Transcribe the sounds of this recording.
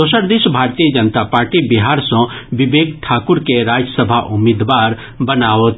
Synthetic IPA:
osəɾd̪eʃbʱaːɾt̪ijəd͡ʒənt̪apaːɾʈibɪɦaːɾsɔ̃ʋɪʋeːɡʈʰaːkʊɾkeɾaːd͡ʒəsəbʱaʔʊmɪd̪ʋaːɾ | bɐnaːot̪

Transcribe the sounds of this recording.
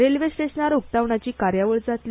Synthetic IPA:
ɾelʋesʈesnaɾuk̚t̪aʋɳat͡ɕiːkaɾjaʋəɭd͡zat̪li

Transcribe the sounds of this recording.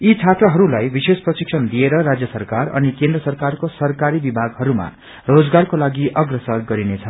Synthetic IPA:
it͡sʰat̪rʌɦʌɾulajbisesprʌsiksʰʌnd̪ieɾʌɾad͡zjʌsʌrkarʌ̰nikẽnd̪ɾrʌsʌrkarkosʌrkaɾibibʱaɡɦʌɾuma̰ | rod͡zɡarkolaɡiʔʌɡrʌsʌɡʌɾinet͡sʰʌ

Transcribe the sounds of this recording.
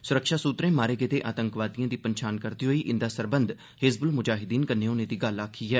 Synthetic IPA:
sʊɾəkʃaːsuːt̪ɾẽːmaːɾeːɡet̪eːʔaːt̪əŋkʋaːt̪ijãːd̪iːpənʃʰaːnkəɾd̪iːɦoiːʔɪ̃nd̪aːsəɾbənd̪ | hɪzbəlmʊd͡ʒaːɦɪd̪iːnkənːẽːʊnẽːd̪iːɡəlaːkʰːiːɦɛː

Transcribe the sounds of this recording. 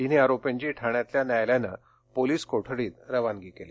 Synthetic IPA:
iniaɾopjãɲt͡ɕiːʈʰaɳjat̪ljanajljanə̰ | poliːskoʈʰɽiːt̪ɾəʋanɡiːkeli

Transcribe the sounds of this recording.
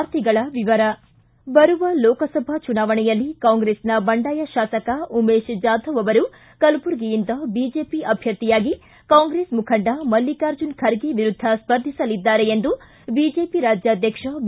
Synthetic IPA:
ɾt̪iɡɐɭɐʋiʋɐɾɐ | bɐɾuʋɐlɔːkɐsɐbʱɐt͡ʃunaːʋɐɳɛjɐlːikaːŋɡɾeːsnɐbɐɳɖaːjɐʃaːsɐkɐumeːʃd͡ʒaːd̪ʱɐʋɐʋɐɾu | kɐlpuɾɡijind̪ɐbiːd͡ʒeːpiʔɐbʱjɐt̪ːijaːɡi | kaːŋɡɾeːsmukʰɐɳɖɐmɐlːikaːɾd͡ʒunkʰɐɾɡeʋiɾud̪ʱːɐspɐɾd̪ʱisɐlid̪ːaːɾe̞end̪u | bid͡ʒeːpiɾaːd͡ʒjaːd̪ʱjɐkʂɐ

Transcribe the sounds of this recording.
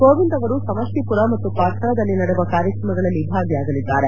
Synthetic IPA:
koːʋind̪ɐʋɐɾusɐmɐʂʈipuɾɐmɐt̪ːupaːt̪ʰɐɾɐd̪ɐlːinɐɽeʋɐkaːɾjɐkɾɐmɐɡɐɭɐlːibʱaːɡjaːɡɐlid̪ːaːɾe

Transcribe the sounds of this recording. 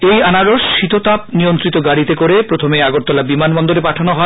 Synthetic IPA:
ejanaɾoʃʃit̪ot̪ap̚nijont̪ɾit̪oɡaɽit̪ekoɾepɾot̪ʰomeaɡoɾt̪ɔlabimanbɔnd̪oɾepaʈʰanoɦɔ

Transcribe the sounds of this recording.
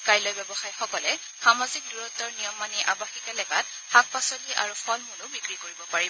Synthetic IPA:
kajlojbɛbɔxajxɔkɔlɛ | xamazik̚duɹɔtːɔɹnijɔmːaniʔabaxikɛlɛɡat̚ | xak̚pasɔliʔa̰ɹupʰɔlmunʊbikɹikoɹibɔpaɹibɔ

